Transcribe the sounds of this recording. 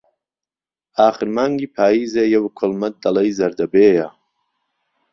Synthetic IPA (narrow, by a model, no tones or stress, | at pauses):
aːxɨɾmaːŋɡiːpʰaːjiːzeːjɐwkʰʊlmɐt̪̚d̪ɐlɐjzɐɾd̪ɐbeːja